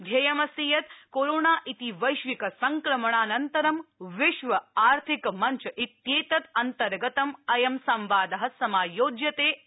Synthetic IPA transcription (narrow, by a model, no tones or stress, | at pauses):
d̪ʱjɐjɐmɐsiːjɐt̪koːɾoːɳaːʔit̪iʋɐjʃʋikɐsɐŋkɾɐmɐɳaːnɐnt̪ɐɾɐmʋɪʃʋɐaːɾt̪ʰikmɐɲt͡ʃɐʔit̪jeːt̪ɐt̪ɐnt̪ɐɾɡɐt̪ɐmɐjɐmsɐmʋaːd̪ɐɦɐsɐmaːjoːd͡ʒjɐt̪eː